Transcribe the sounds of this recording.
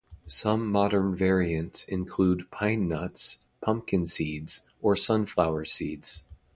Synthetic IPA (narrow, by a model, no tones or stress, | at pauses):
sʌ̃mːɑɾə̃˞nvɛɹiɨ̃ntsɪ̰̃nkʰl̥ud̚pʰãɪ̃nːʌts | pʰʌ̃m̚kɨ̃nsidz̥ | ə˞sʌ̃nflaʊə˞sidz̥